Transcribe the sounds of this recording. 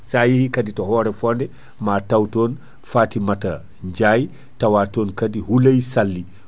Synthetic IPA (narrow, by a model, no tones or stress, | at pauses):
sajihikaditɔhɔːɾɛfɔndɛ | maːtawtɔːn | faːtimata | ɲd͡ʒaj | tawatɔːnkadihulajsalːi